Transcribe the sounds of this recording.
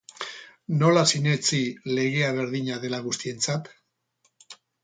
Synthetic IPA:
no̞lasine̞t͡sile̞ɣe̞aβ̞e̞ɾðiɲaðe̞laɣ̞ust̪ie̞nt͡sat̪

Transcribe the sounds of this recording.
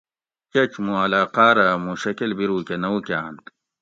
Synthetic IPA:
t͡ɕɐt͡ɕmũɐlaːqaːɾamũɕɐkɐlbiɾuːkenɐukaant̪

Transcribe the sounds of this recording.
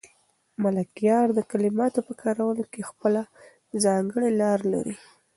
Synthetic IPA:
malakijɑɾd̪əkalɪmɑt̪opəkɑɾawəlokexpəla | zɑŋɡəɽelɑɾla̰ɾi

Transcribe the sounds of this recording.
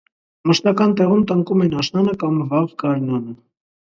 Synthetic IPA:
məʃt̪ɑkɑnt̪ɛʁumt̪əŋkumɛnɑʃnɑnəkɑmvɑʁɡɑɾnɑnə

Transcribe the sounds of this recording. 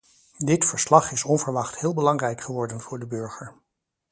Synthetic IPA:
dɪtfəɹslɑχɪsɔnvəɹʋɑχthɪːlˠbəlɑŋrɛjkχəʋɔɹdənvʊːɹdəbøɹχəɹ

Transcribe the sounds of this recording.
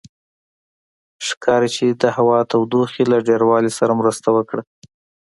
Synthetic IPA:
ʂkʰɑɾit͡ʃed̪əhawɑt̪awd̪oxelaɖeɾwɑlesaɾamɾəst̪awəkɽa

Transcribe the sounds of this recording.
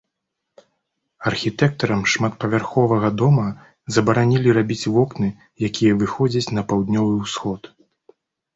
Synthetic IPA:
ɐrxʲit̪ɛk̚t̪ɐɾɐmʂmat̪̚pɐvʲarxɔvɐɣɐd̪ɔmɐ | zɐbɐɾanʲilʲiɾabʲit͡sʲvɔknɨ | jakʲʰijɐvɨxɔd͡zʲɐt͡sʲn̪ɐpawd̪nʲɔvɨwsxɔt̪

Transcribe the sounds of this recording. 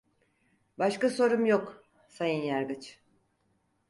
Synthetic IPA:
baʃkaso̞ɾumjok | sajɯnjaɾɡɯt͡ʃ

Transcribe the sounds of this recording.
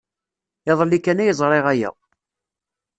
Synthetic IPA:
eðˤəlːikːænæjəzˤɾˤeʁæjæ̰

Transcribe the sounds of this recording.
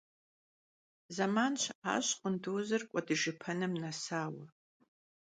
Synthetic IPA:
zamanʃʰa̰ːɕqʷʼənduːzɐrkʷʼɔdɨʒɨpʰɐnɨmnɐsaːwɐ

